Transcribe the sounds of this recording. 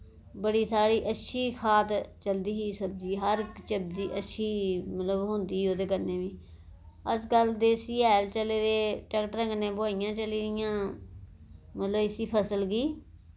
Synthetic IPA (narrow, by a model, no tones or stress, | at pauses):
bəɽiːsaːɽiːʔətːʃʰiːkʰaːt̪t͡ʃəld̪iːɦiːsəb̚d͡ʒiːɦəɾkt͡ʃəb̚d̪iːʔətːʃʰiːmət̪ləbɦʊ̃nd̪iːɦiːoːd̪eːkəɾneːʋiː | əsɡəld̪eːsiːaːlt͡ʃəleːd̪eːʈəkʈɾə̃ŋɡnẽːbʊaːijãːt͡ʃəliːd̪ɪjãː | mət̪ləbɪsiːpʰəsəlɡiː